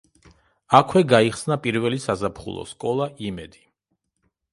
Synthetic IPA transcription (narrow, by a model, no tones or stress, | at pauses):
akʰwɛɡaiχsnapʼiɾvɛlisazapʰχṵlˠɔ̰skʼɔlˠaʔimɛd̪i̥